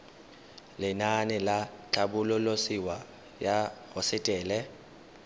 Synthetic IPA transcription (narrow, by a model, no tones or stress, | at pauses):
lɪnanɪlat͡ɬʰaɓʊlʊlosiwa | jahɔsɪtʼɛːlɛ